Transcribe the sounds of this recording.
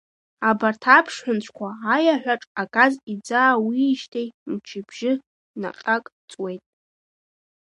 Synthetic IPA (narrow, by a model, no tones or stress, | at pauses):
abartʰapʰʂħʷᶣʊnt͡ɕʷʰkʷʰaːjaħᶣʷaʈ͡ʂʼakʼazid͡zaːwiːʃtʰejmt͡ʃʰɪbʒɪ | na̰qʼakʼ | t͡sʼwe̞jtʼ